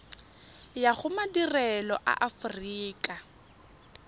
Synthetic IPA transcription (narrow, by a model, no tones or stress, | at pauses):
jaɣʊmadirɛlɔʔa̰ʔafriːkʼa